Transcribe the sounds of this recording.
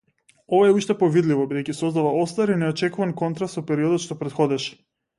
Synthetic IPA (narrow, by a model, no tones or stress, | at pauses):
ovaɛuʃt̪ɛpovid̪livɔbid̪ɛjkcisɔzd̪avaost̪aɾinɛɔt͡ʃɛkuvankɔnt̪ɾast̪sɔpɛɾiɔd̪ɔt̪ʃt̪ɔpɾɛt̪xɔd̪ɛʃɛ̥